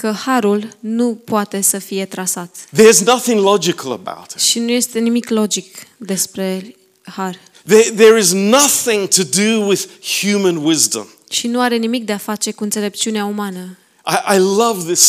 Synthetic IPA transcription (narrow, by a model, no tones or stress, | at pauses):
kəhaɾulnupoat̪e̞səfije̞t̪ɾasat̪ðə˞znʌθɪ̃ŋlɑd͡ʒɨkʰəl̩ˠə̰ba̰ʊɾʃinuje̞st̪e̞nimiklo̞d͡ʒikd̪e̞spɾe̞ | har | ðəðə˞ɪznʌθɪ̃ŋtʰɨdɨwɪð̥hjʉmɨ̃nwɪzdə̰̃m | ʃinuaɾe̞nimik̚d̪e̞afat͡ʃe̞kuɨnt̪sele̞p̚t͡ʃiuneaumanə | ʔaɪʔaɪlʌvðɪs